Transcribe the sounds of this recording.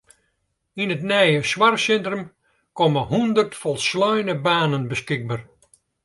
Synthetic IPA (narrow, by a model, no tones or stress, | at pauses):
inətnɛjəswarsɛntrəm | kɔməhundərtfɔlˠslœjnəbaːnənbəskɪɡ̚bar